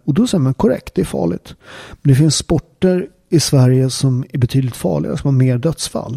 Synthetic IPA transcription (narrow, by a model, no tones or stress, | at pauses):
ɔd̪ɔsɛjːəɾmankʰɔɾɛ̰k̚t̪̚d̪ɛæɾfɑ̰ːɭɪ̰ɡt̪mɛnd̪ɛfɪnsːpɔʈːəɾ | ɪsvæɾjəsɔmæɾbɛt̪ʰyːd̪lɪt̪fɑ̰ːɭɪ̰ɡa̰sɔmhaɾmeːɾɖ̪œt̪sfa̰lː